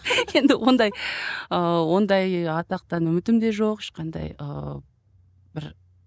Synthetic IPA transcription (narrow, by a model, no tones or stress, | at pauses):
je̞nd̪ɪwo̞nd̪ɑjəwo̞nd̪ɑjɑt̪ɑq̚t̪ɑnʏmɪt̪ɪmd̪e̞ʒo̞qɪʃqɑnd̪ɑ̰jə̰ | b̥ɪɾ